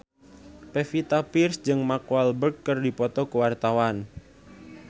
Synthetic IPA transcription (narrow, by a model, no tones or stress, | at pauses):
pefit̪apirsd͡ʒɨŋmakualbərkːərdipɔt̪ɔkuwart̪awan